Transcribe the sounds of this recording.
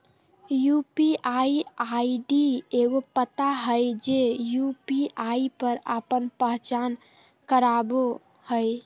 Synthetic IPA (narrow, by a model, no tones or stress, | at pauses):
jupiʔaiaiɖieɡopət̪aɦəjd͡ʒejupiaipəɾa̰pənpəɦt͡ʃan | kəɾabo | həj